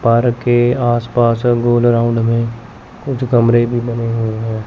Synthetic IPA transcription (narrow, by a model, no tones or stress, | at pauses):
pəɾkeaːspaːsɡoːlɾaʊ̃ɳɖmẽ | kʊt͡ʃʰɡəmɾebʱibɐneɦueɦɛ̃ː